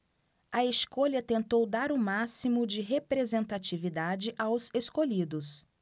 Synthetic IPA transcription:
ɐeskoʎɐt̪ẽnt̪owd̪aɾʊmasimʊd͡ʒɪɦepɾezẽnt̪at͡ʃivid̪ad͡ʒɪʔawzeskoʎid̪ʊs

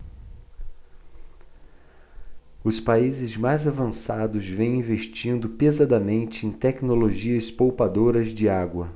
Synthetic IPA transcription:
ʊspaizɪzmajzavɐ̃sad̪ʊzvẽj̃ĩveʃt͡ʃĩnd̪ʊpezad̪ɐmẽnt͡ʃɪẽj̃t̪ɛknoloʒiɐspowpad̪oɾɐzd͡ʒɪaɡwɐ

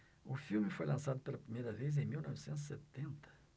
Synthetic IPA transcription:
ũfilmfɔjlɑ̃sad̪pɛɾlapʁimjeɾɐvez̬ɛ̃milnɔvsɑ̃z̬sɛp̚t̪ɛ̃nt̪ə̥

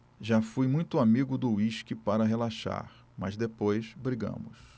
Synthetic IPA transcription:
ʒafujmũj̃t̪ʊamiɡʊd̪ʊiʃkɪpaɾɐɦelaʃa̰ɾ | mɐzd̪epojsbɾiɡɐ̰̃mʊs

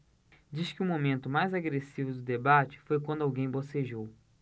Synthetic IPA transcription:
d͡ʒiʃkɪumomẽnt̪ʊmajzaɡɾesivʊd̪ʊd̪ebat͡ʃɪ̥fojk̬wɐ̃nd̪ʊawɡẽj̃boseʒow

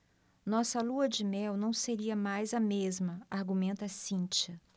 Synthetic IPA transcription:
nɔsɐluɐd͡ʒɪmɛwnɐ̃w̃seɾiɐmajzɐmezmɐaɾɡumẽnt̪ɐsĩt͡ʃɐ

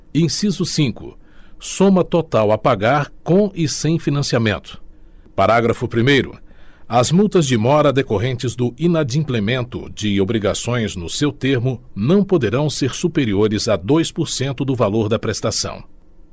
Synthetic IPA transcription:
ẽj̃sizʊsĩŋkʊ̰sõmɐt̪ot̪awɐpaɡaɾkõɪsẽj̃finɐ̃siamẽnt̪ʊ̥paɾaɡɾɐfʊpɾimejɾʊ̰ɐzmuwt̪ɐzd͡ʒɪmɔɾɐd̪ekoɦẽnt͡ʃɪzd̪ʊĩnad͡ʒĩplemẽnt̪ʊ̰d͡ʒɪobɾiɡasõj̃znʊsewt̪eɾmʊnɐ̃w̃pod̪eɾɐ̃w̃seɾsupeɾioɾɪzɐd̪ojspʊɾsẽnt̪ʊd̪ʊvaloɾd̪ɐpɾest̪asɐ̰̃w̃

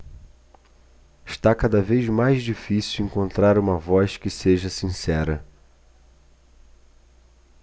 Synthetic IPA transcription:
ɪʃt̪akad̪ɐvejzmajzd͡ʒifisiwẽŋkõnt̪ɾaɾũmɐvɔskɪseʒɐsĩsɛɾɐ

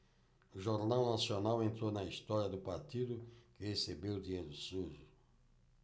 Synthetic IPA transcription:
ʊʒoɾnawnasionawẽnt̪ɾonɐist̪ɔɾjɐd̪ʊpaɾt̪id̪ʊkɪhesebewd̪iejɾʊsuʒʊ

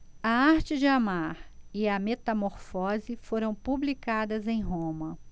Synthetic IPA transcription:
ɐaɾt͡ʃɪd͡ʒɪamaɾɪɐmet̪ɐmoɾfɔzɪfoɾɐ̃w̃publikad̪ɐzẽj̃ɦõmɐ

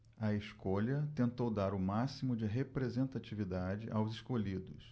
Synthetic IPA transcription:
ɐeskoʎɐt̪ẽnt̪owd̪aɾʊmasimʊd͡ʒɪɦepɾezẽnt̪at͡ʃivid̪ad͡ʒɪ̰ʔawzɪskoʎid̪ʊs

